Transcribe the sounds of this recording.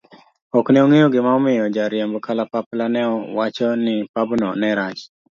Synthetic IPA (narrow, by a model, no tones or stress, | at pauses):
ɔknɛoŋejoɡɪmaɔmɪjɔd͡ʒaɾjambkʰalapaplanɛɔwat͡ʃɔnɪpabnɔnɛɾat͡ʃ